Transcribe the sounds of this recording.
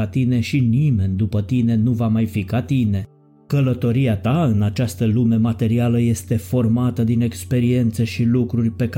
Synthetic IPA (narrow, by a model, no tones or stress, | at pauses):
at̪ine̞ʃinime̞nʲd̪upət̪ine̞nuvamajfikat̪ine̞ | kələt̪o̞ɾiat̪aɨnat͡ʃast̪əlume̞mat̪e̞ɾialəje̞st̪e̞fo̞rmat̪əd̪ine̞kspe̞ɾie̞nt̪seʃilukɾurʲpe̞k